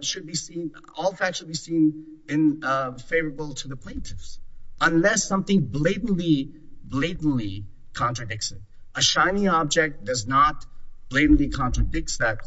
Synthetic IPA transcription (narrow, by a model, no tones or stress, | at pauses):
ʃɨd̚bisĩn | ɔlˠfækʃəd̚bisĩn | ɪ̃nfeɪvə˞əbl̩ˠtʰəðəpʰl̥ẽɪ̃ntʰɪfsʔə̃nlɛsʌ̃mθɪ̃ŋbleɪdⁿn̩li | bleɪdⁿn̩li | kʰɑ̃ntɹ̥ɨdɪk̚sɨt | əʃãɪ̃niɑb̚d͡ʒɛk̚t̚d̥ʌznət̚b̥leɪdⁿn̩likʰɑ̃ntɹ̥ɨdɪk̚t̚ðɨt̚